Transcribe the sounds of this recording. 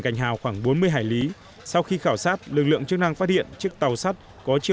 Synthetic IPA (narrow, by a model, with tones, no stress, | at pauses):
ŋka˨˩jŋ̟ɦa̰ː˨˩wxwaː˧˩ŋɓo˨˦nmɨ˧əjɦaː˧˩jli˨˦ | sa˧wxi˧xaː˧˩wsaː˦˥t̚lɨ˨˩k̚lɨ̰˧˨əŋt͡ɕɨ˦˥k̚na˧ŋfaː˦˥t̚hḭ˧˨ənt͡ɕɨ˦˥ək̚t̪a˨˩wsa˦˥t̚ | kɔ˨˦t͡ɕi˧˨